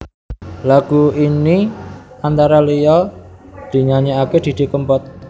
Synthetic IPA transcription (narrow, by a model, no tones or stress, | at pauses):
laɡ̥uiniant̪aɾalejɔd̪̥i̤ɲaɲeaked̪̥i̤d̪̥i̤kəmpɔt̪̚